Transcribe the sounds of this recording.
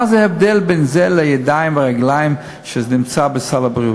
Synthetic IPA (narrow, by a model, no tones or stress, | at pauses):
azɛɛvdɛlbɛnzɛlɛjɛdaɪmbɪʁɛɡlajɪm | ʃɛzɛnɪmt͡sabɪsalabʁiu